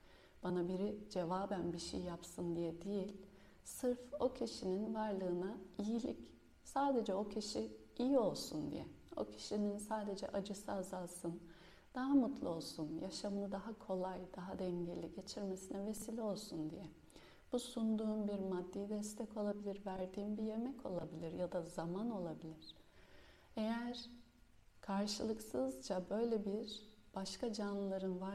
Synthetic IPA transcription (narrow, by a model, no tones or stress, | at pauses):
b̥anabiɾid͡ʒe̞vaːbænbiʃḛjjapsɯnd̪ijɛd̪ijilʲ | sɯɾfo̞cʰiʃininvaɾlˠɯːnaijilʲic | saːd̪e̞d͡ʒɛo̞cʰiʃiijio̞lˠsund̪ḭjɛ̰ | o̞̰cʰi̥ʃininsaːd̪e̞d͡ʒɛ̰ʔad͡ʒɯsɯazalˠsɯn | d̪̥aɦamut̪ʰlˠao̞lˠsunjaʃamnˠɯd̪aɦakʰo̞lˠajd̪aɦad̪ɛɲɟelʲːiɟe̞t͡ʃʰiɾmesinɛve̞silʲo̞lˠsund̪ijɛ | b̥usund̪uːnbiɾmad̪ːijid̪ɛst̪ʰɛko̞lˠabilʲiɾvæɾd̪iːnbije̞mɛcʰo̞lˠabilʲiɾjad̪azamano̞lˠabilʲiɾ̥ | e̞jæɾ̥ | kʰaɾʃɯlˠɯksɯzd͡ʒabø̞jlʲebiɾb̥aʃkad͡ʒanlˠaɾɯnva